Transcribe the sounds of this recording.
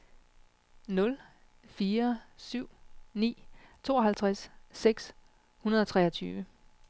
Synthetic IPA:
nɔ̽l | fiːɐsyʊ̰nḭːt͡sʰo̝ːɒɦhælt͡sʰʁasːeɡ̥s | hunɐð̞ˠɒ̽t͡sʰʁɛɐt͡sʰyːʋə

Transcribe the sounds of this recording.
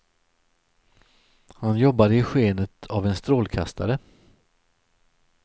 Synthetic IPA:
hanjɔbːad̪əɪɧeːnət̪ʰavɛnst̪ɾoːlkʰa̰st̪aɾə

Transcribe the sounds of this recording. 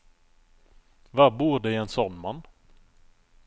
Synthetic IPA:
vabuːɾɖɛɛnsɔnːmanː

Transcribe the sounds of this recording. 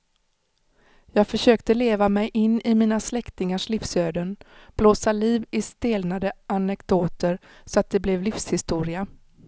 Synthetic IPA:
jɑːɡfœʂøːkt̪əleːvamɛjʔɪnːɪmiːnaslɛkt̪ɪŋaʂliːfsøːd̪ənb̥loːsaliːvɪst̪eːlnad̪əanɛkd̪̥oːt̪əɾsɔat̪̚d̪ɛblɛvlifshɪst̪uːɾɪa

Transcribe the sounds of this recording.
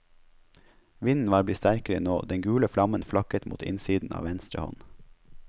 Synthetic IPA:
ʋɪnn̩ʋɑːɾblɪtst̪æɾkəɾənoːd̪ɛŋɡʉːləflɑmənflɑkət̪mṵːt̪ʰɪ̰nsiːd̪n̩ʔɑ̰ːʋɛnst̪ɾə̰hɔ̰n

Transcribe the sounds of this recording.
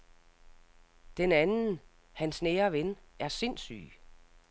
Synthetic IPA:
d̥enænn̩ | hænsneːɐʋenæɐse̝nsy̰ː

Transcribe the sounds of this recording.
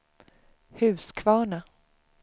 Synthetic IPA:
hʉ̟ːskʰvɑːɳa

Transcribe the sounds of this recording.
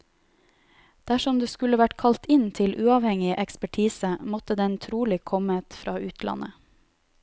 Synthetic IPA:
d̪̥æʃɔmd̪eːskʉləʋæʈkʰɑlt̪ɪnt̪ʰɪlʔʉːɑʋhɛŋɪʔɛkspæʈʰiːsəmɔt̪əd̪ɛnt̪ʰɾuːlɪkʰɔmət̪fɾɑːʉːt̪ʰlʔɑ̰nə̰

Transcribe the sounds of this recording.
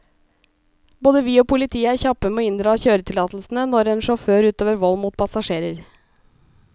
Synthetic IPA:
boːd̪əʋiːoːpʰʊlɪt̪ʰiːəæːɾçɑpəmɛoːɪnd̪ɾɑːçøːɾət̪ʰɪlɑːt̪l̩sn̩ənɔɾeːnʂɔføːɾʉːt̪oːʋəɾʋɔlmuːt̪̚pʰɑsɑʂeːɾəɾ

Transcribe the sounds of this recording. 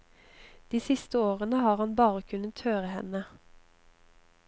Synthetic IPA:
d̪̥iːsɪst̪əoːʁənəhɑːʁhɑnbɑːʁəkʰʉnət̪høːʁəhɛ̰nə

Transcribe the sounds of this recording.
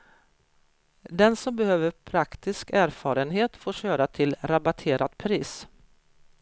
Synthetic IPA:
d̪ɛnsɔmbɛhøːvəɾpʰɾakt̪ɪskæːɾfɑːɾənɦeːt̪foːʂøːɾat̪ʰɪlɾabat̪ʰeːɾad̪̥pʰɾiːs

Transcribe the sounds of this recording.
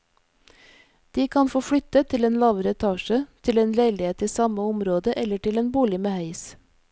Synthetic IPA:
d̪̥iːkʰɑnfoːfɽʏt̪ət̪ʰɪleːnlɑːʋəɾəɛt̪ʰɑːʃət̪ʰɪleːnleɪlɪheːt̪ʰɪsɑməʊmɾoːd̪əʔɛləʈɪleːnbuːlɪmeːhœʏs

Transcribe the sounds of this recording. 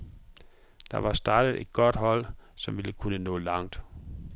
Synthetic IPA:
d̥ɑ̈ʋɑ̈sd̥ɑ̈ːd̥əð̩ˠe̝d̥̚ɡ̥ɒ̽d̥ɦɒ̽l̰sɒ̽mʋiləkʰunənɔ̰̽ːlɑ̈ŋ̰d̥

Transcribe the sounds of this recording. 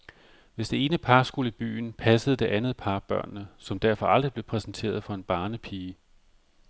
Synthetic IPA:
ʋe̝sd̥e̝e̝ːnəpʰɑ̈sɡ̥uləib̥y̰ːn̩pʰæsəð̩ˠd̥e̝ʔænð̞̩ˠpʰɑ̈ːb̥ɶɐ̰nːəsɒ̽md̥æɐ̰fɒ̽ʔɑ̈ld̥ʁib̥le̝pʰʁɛsn̩t͡sʰe̝̰ːɐð̞ˠfɒ̽e̝nb̥ɑ̈ːnəpʰiːə

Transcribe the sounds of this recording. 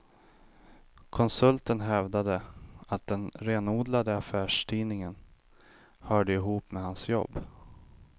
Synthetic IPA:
kʰɔnsɵlt̪ənɦɛvd̪ad̪əat̪̚d̪ɛnɾeːnuːd̪lad̪əafæːʂʈʰiːnɪŋən | hœːɖəɪɦuːpmɛhansjɔ̰bː

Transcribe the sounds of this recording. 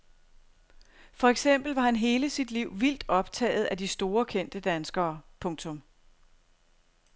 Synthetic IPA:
fɒ̽eɡ̥sem̰b̥l̩ʋɑ̈hænɦe̝ːləsid̥liʊ̰ʋil̰d̥ɒ̽b̥t͡sʰɛ̰ːð̞̩ˠæd̥isd̥o̝ːɐkʰen̰d̥əd̥ænsɡ̥ɐːpʰɔ̽ŋt͡sʰɔ̽m

